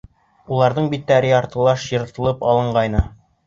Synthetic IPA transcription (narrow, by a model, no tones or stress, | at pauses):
ulˠɑɾðɤɴbit̪ːæɾiɑɾt̪ɤ̆lˠɑʃjɤ̆ɾɤ̆t̪ɤ̆lˠɤpɑlˠɤ̆ɴɢɑjnɤ